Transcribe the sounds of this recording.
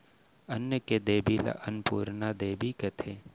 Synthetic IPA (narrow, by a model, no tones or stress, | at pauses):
ɐnjəked̪eːbilɐ̰ʔɐnpuːɾnad̪eːbiket̪ʰe